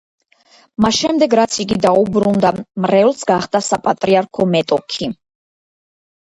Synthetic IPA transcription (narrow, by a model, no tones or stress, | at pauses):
masʃɛmd̪ɛɡɾat̪sʰiɡid̪aubɾund̪amɾɛlˠsɡaχd̪asapʼat̪ʼɾiaɾkʰɔmɛt̪ʼɔkʰi